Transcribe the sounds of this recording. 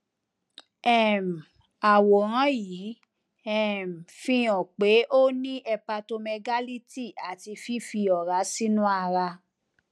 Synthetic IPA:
ɛ˦˨m˨ | a˨wɔ˨ɾã˨˦ji˨˦ | ɛ˦m̩˨fĩ˦˧˦ɔ̃˨k͡pe˨˦ʔo˦nĩ˦ʔɛ˧pa˧to˧mɛ˧ɡa˦li˦ti˦˨a˨ti˧fi˦fi˧ɔ˨ɾa˨˦si˦nũ˦a˧ɾa˧

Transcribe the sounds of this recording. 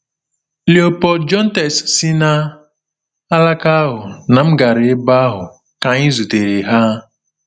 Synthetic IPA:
li˨o˨pɔ˨dd͡ʒɔ˦n̩˦tɛ˨ssi˦na˦ | a˦la˦ka˦ɦʊ˨na˨m̩˦ɡa˨ɾɪ˨˦ba˦ɦʊ˨ | ka˨ɲɪ˦zu˨te˨ɾe˨ɦa˦

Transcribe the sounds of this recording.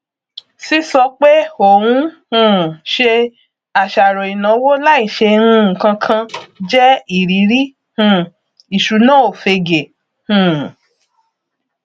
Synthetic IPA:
si˦sɔ˧k͡pe˦o˨wũ˦hũ˨ʃe˧ | a˨ʃa˨ɾɔ˨i˨nã˨˦wo˦la˦i˦˨ʃe˧ɾ̃ũ˧˨kã˧kʰã˧d͡ʒɛ˦i˨ɾi˨˦ɾi˦ | hũ˨ | i˨ʃu˨˦nã˦o˨fe˧ɡe˨ | hũ˨

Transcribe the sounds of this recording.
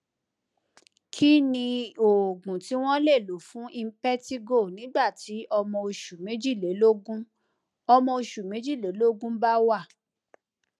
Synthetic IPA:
kʰi˦nĩ˧o˨ɡũ˨ti˨˦w̃ɔ̃˦le˦˨lo˨˦fũ˨˦ʔi˧m̩˦pɛ˦ti˦ɡo˦˨nĩ˨˦ɡ͡ba˦˨ti˨˦ʔɔ˧mɔ̃˧o˧ʃu˨mẽ˨˦d͡ʒi˦˨le˨˦lo˦ɡũ˦ | ɔ˧mɔ̃˧o˧ʃu˨mẽ˨˦d͡ʒi˦˨le˨˦lo˦ɡũ˦ba˦wa˦˨

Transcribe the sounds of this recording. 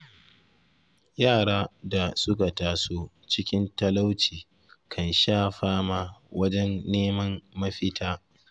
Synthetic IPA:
jaː˦˨ɽaː˦da˨sʊ˦k̬a˨taː˨soː˦ | t͡ʃɪ˦kʲɪ˦ntɐ˦la˦wt͡ʃiː˨ | kʰɐ˨nʃaː˦˨ɸaː˦maː˦˨wɐ˦d͡ʒɛ˦nːeː˦mɐ˦mːɐ˦ɸɪ˦tʰaː˦

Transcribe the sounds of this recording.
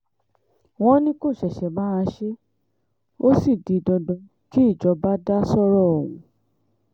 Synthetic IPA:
w̃ɔ̃˦nĩ˦ko˦˨ʃɛ˨ʃɛ˨mãː˦˧ʃe˦ | o˦si˦˨di˨dɔ˧dɔ̃˨˧ | ki˦i˦˨d͡ʒɔ˨˧˦ba˦da˦sɔ˦ɾɔ˦˨wṵ̃˨˦

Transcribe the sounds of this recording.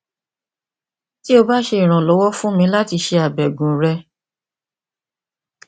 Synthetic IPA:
ti˦o˧ba˦ʃe˧i˨ɾ̃ã˨lɔ˨˦wɔ˦fũ˦mĩ˧˦la˦ti˧ʃe˧a˨bɛ˨ɡũ˨˦ɾɛ˧

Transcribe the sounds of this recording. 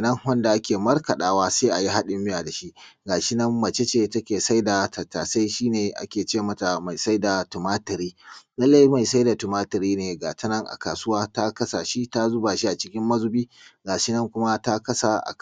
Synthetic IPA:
nɐ˦ŋwɐ˦nda˨ʔa˦kʲeː˨mɐ˦rkɐ˨ɗaː˦waː˦seː˦ʔa˨ji˦ɦa˦ɗɪ˦mɪ˦jaː˨da˨ʃi˦ʔɡaː˨ʃɪ˦nɐ˦mːɐ˨t͡ʃe˦t͡ʃe˦tɐ˦kʲeː˨sa˦jda˨ta˨taː˨sa˦jʃiː˦neː˨ʔa̰˦kʲeː˨t͡ʃeː˦˨mɐ˦ta˨ma˨jsa˦jda˨tʊ˨maː˦tɪ˨ɾiː˦lɐ˦lːa˦ji˦ma˨jsa˦jda˨tʊ˨maː˦tɪ˨ɾiː˦neː˨ɡaː˨tɐ˦nɐ˦ŋʔa̰˨kaː˨sʊ˦waː˦ta˦kɐ˦sa˨ʃi˦ta˦zʊ˦ba˨ʃi˦ʔa˨t͡ʃɪ˦kʲɪ˦mːɐ˦zʊ˦biː˦ | ɡaː˨ʃɪ˦nɐ˦ŋkʷʊ˦ma˦ta˦kɐ˦sa˨ʔa̰˨

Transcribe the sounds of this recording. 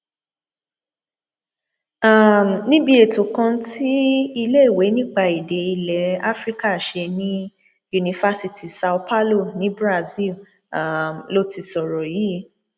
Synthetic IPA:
a˦˨m˨nĩ˦bi˧e˨to˨kã˧ti˦i˧le˦i˦˨we˨˦nĩ˦k͡pa˦˨i˨de˨˦i˧lɛ˨˦a˦fɾi˦ka˦˨ʃe˧nĩ˦ | ju˧nĩ˧fa˦si˧ti˨sa˧u˧pa˦lo˦˨nĩ˨˦bɾa˦˧zi˦˨l | a˨mlo˦ti˧sɔ˨ɾɔ˨ji˨˦

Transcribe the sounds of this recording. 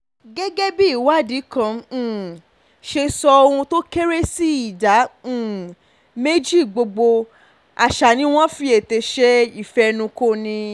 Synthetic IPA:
ɡɛ˦ɡɛ˦bi˦i˦˨wa˦˨di˨˦kã˨˧˦ | ʃe˧sɔ˧o˧ɾũ˧to˦ke˦ɾe˦si˦i˦˨dã˨˦˨ | me˦d͡ʒi˦˨ɡ͡bo˧ɡ͡bo˧ | a˨ʃa˨nĩ˨˦w̃ɔ̃˦fi˧˦e˨te˧ʃɛ˦i˦˨fɛ˧nũ˧ko˦˨nĩ˧

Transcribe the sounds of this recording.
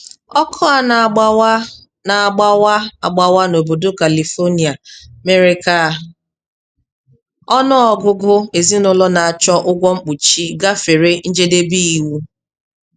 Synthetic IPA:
ɔ˦kʰɔ˦a˨na˨˦ | na˨a˨ɡ͡ba˦wa˦a˨ɡ͡ba˨wa˦no˨bo˨do˦ka˨li˨fo˦ni˨a˨me˦ɾe˦ka˦˨ | ɔ˦nʊ˦ɔ˨ɡʊ˦ɡʊ˦e˨zi˦nʊ˦lɔ˦na˨a˨t͡ʃɔ˦ʔʊ˦ɡʷɔ˦ŋ͡m̩˦k͡pu˨t͡ʃi˦ɡa˦fe˨ɾe˦n̩˦d͡ʒe˦de˦bi˦i˨wu˦

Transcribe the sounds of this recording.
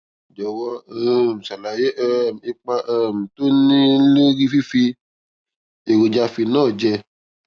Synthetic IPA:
d͡ʒɔ˨wɔ˧˦ɛ˦˨m̩˨sa˨la˨je˦ʔɛ˦˨m˨e˦k͡pa˧ʔɛ˦˨m̩˨to˦nĩ˦le˦ɾi˦fi˦fi˧ | e˨ɡo˨d͡ʒa˧fi˧nãː˦˨d͡ʒɛ˧

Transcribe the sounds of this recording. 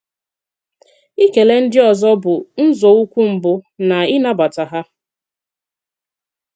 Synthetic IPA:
i˦ke˨le˦n̩˦dɪ˦ɔ˨zɔ˦bʊ˨n̩˦zɔ˨u˦kʷu˦m̩˨bʊ˦na˨ɪ˦na˦ba˨ta˨ɦa˦

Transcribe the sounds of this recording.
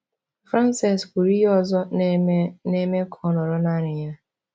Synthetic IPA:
fɾa˦n˦sa˨sku˨ɾi˦ɦɔ˦˨zɔ˦ | ne˦me˦kʰɔ˦nɔ˨ɾɔ˦na˦ɲɪ˨˦ja˦

